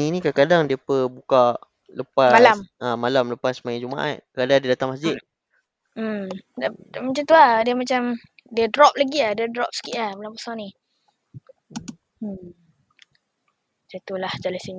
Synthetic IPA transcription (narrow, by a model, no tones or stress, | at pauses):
ninĩkakadaŋdiəpəbuka | ləpaalamʔamalamləpasmajad͡ʒumaʔa̰t̪̚kəadadiədat̪aŋmas̬d͡ʒɪt̪̩̚ | mdadamat͡ʃamt̪uadiəmat͡ʃamdiədɾɔp̚laɡiahdiədɾɔp̚sə̥kiʔahbalampəsɔŋnĩ | d͡ʒat̪ulahd͡ʒalasini